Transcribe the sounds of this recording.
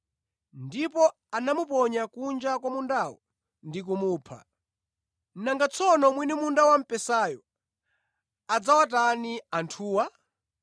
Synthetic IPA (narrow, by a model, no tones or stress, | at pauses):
ndipɔ | anamupɔɲakund͡ʒakwamundawɔ | ndik̬umuːpʰa̰ | naŋɡat͡sʰɔnɔmwinimundawam̩pɛsaːjɔ | ad͡zawataniantʰuːwa